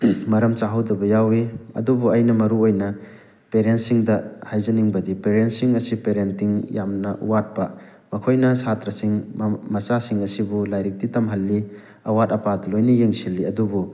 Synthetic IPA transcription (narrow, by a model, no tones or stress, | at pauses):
mɐɾɐmt͡ʃaɦɐwdɐbɐjawiɐ̰dubuɐjnɐmɐɾuojnɐ | peɾentsiŋdɐhajzɐniŋbɐdipeɾent̚siŋɐsipeɾentːiŋjamnɐʔṵwat̚bɐ | mɐkʰojnɐsʰatɾɐsiŋmɐsasiŋɐsibulajɾik̚titɐmɦɐlːi | ɐwatɐpadɐlojnijeŋsilːiɐdubu